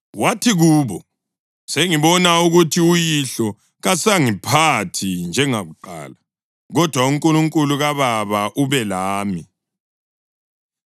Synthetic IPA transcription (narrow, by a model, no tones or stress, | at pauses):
watʰiɣuːβɔ | seŋiβɔnauɣutʰiujiɬɔ | ɣasaŋipʰatʰind͡ʒʱɛŋaɣuǃa̰ːla | ɣɔd̥ʱwauŋkʼuluŋkʼuluɣaβaβaʔuβɛlaːmi